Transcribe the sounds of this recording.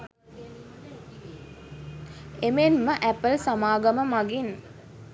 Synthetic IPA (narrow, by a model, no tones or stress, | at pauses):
emenməʔæpəlsamaːɡɐməmaɡin